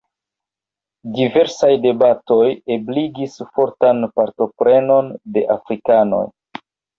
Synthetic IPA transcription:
dive̞ɾsajde̞bato̞je̞bliɡisfo̞ɾtanpaɾto̞pɾe̞no̞nde̞ʔafɾikano̞̰j

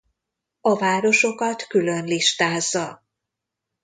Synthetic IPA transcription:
ɒvaːɾo̞ʃo̞kɒt̪kylø̞nliʃt̪aːzːɒ

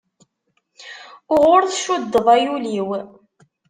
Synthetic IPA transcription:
ʊʁʊɾθʃud̪ːəðˤajuliw

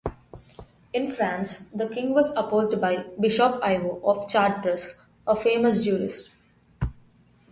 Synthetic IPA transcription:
ɪ̃nfɾãːnsd̪əkɪ̃ŋɡʋɔzəpoːzɖbaɪbɪʃɔpaɪʋoːʔɔːft͡ʃaːɖ̚pɾəs | əfeːməs̬d͡ʒuːɾɪ̰sʈ

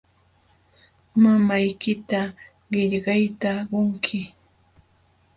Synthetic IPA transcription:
mamajkɪt̪a | ɢɪʎɢɑjt̪aɢoŋkʰɪ

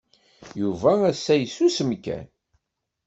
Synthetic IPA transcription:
juvææsːæjsːusəmkæ̰n

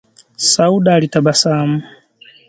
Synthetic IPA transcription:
sauɗalitabasama

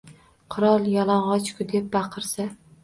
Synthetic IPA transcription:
qʰʊɾɒlˠjɒlˠɒɴʁɒt͡ʃkʰʊd̪ep̚bɑqʰɨɾsa

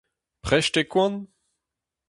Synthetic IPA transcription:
pχɛʃtekwãn

